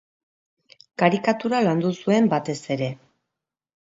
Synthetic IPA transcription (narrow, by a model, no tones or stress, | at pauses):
kaɾikat̪uɾaland̪usue̞mbat̪e̞se̞ɾe̞